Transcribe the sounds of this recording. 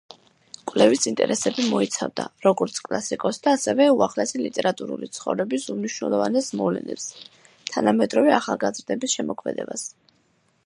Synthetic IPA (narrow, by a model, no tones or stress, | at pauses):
kʼwvlɛvisint̪ʼɛɾʔɛsɛbimɔit̪sʰavd̪aɾɔɡɔɾt̪sʰkʼlˠasikʼɔsd̪aːsɛvɛuaχlɛsɛlit̪ʼɛɾat̪ʼuɾṵlit̪sʰχɔvɾɛbisumniʃnɛlˠɔvanɛsmɔvlɛ̰nɛ̰ps | t̪ʰanamɛd̪ɾɔvɛaχalˠɡazɾd̪ɛbisʃɛmɔkʰmɛd̪ɛ̰bas